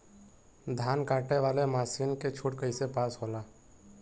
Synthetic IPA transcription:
d̪ʱaːnkaːʈeʋaːlemaːsiːnket͡ʃʰʊʈkəisepaːsɦoːlaː

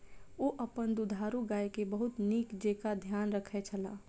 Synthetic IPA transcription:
oːʔəpənd̪ud̪ʱaːɾuɡaːjkebəɦʊt̪niːkd͡ʒeːkad̪ʱjaːnɾəkʰet͡ʃʰəla̰ː

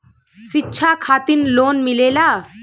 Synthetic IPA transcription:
sitːɕʰakʰat̪inloːnmilela

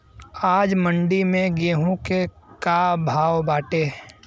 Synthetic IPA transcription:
aːd͡ʒmə̃ɳɖimẽɡeːɦõke | kaːbʱaːʋbaːʈe

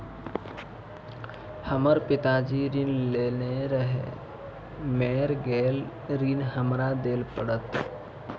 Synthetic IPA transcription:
həməɾpɪt̪ad͡ʒiɾiːnleneɾəɦḛ | meːɾɡeːl | ɾinɦəmɾad̪eːlpəɽət̪

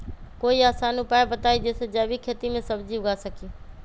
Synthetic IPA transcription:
koːiaːsanupaːjbət̪aːid͡ʒeːsed͡ʒaːbikʰeːt̪imẽsəbd͡ʒiʋɡasəkiː

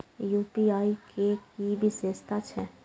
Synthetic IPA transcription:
juːpiaːikekibʱisest̪ʰat͡ʃʰɛ

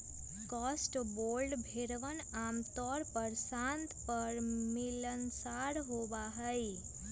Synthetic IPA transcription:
kɔsʈbolɖbʱeɾʋənamt̪ɔɾpəɾsãnt̪pəɾmilənsaɾɦoʋaɦəi

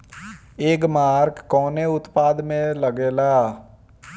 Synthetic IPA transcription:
eːkmaːɾkːɔːneʊt̪paːd̪mẽləɡeːlaː

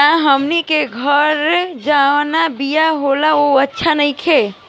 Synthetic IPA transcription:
aɦəmnikeɡʱəɾd͡ʒanabijaɦolaoətːʃʰanəjkʰe

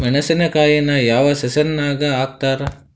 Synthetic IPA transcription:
menɐsenɐkaːjenajaːʋɐsesɐnːaːɡaaːk̚t̪aːɾɐ

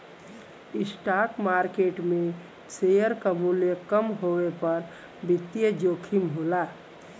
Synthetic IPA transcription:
isʈakmaɾkeʈme | sejəɾkəmulekəmɦowepəɾ | bit̪jəd͡ʒokʰimɦola

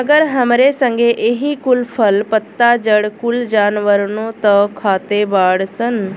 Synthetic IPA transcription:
əɡəɾɦəmɾesə̃ŋɡeʔeɦikʊlpʰəlpət̪ːad͡ʒəɽkʊld͡ʒaːnʋəɾnõt̪əkʰaːt̪ebaːɽsən

